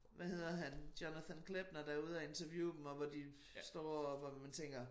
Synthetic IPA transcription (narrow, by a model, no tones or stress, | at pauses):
ʋæhe̝ð̞̰ˠɐɦænd̥jonæθænkʰleb̥nɐd̥æɐuð̞̩ˠɒe̝nt͡sʰɐʋjṵ̥ːemɒʋɒd̥i | sd̥ɒ̰ːɒbæmænt͡sʰeŋ̰ɡ̥ɐ